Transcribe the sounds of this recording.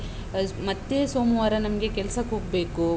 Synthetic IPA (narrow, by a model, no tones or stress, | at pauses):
mɐt̪ːesoːmɐʋaːɾɐnɐmɐɡe̞kɛlsɐkɦoːɡ̚be̞ːku